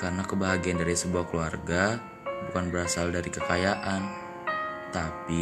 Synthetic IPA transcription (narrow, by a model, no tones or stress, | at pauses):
karənakəbaɦaɡiandaɾisəbuahkəluarɡa | bukanbəɾasaldaɾikəkajaʔan | t̪api